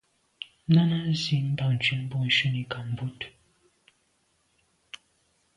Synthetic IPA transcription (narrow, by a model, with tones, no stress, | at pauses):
na˦na˦zi˦m̩˦ba˦˨n̩˨t͡ʃi˨˦n̩˦bɔ˦˨n̩˨˦ʃu˦ni˨˦ka˨m̩˨bu˦t